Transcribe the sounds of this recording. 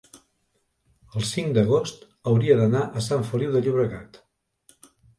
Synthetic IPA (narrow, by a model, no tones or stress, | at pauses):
əlˠsiŋd̪əɣ̞ost̪ | əwɾiəðənaʔəsaɱfəliwðəʎuβɾəɣa̰t̪